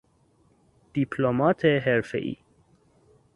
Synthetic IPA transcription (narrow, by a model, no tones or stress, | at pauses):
d̪̥ipʰlomat̪ʰeɦɛɾfḛʔḭ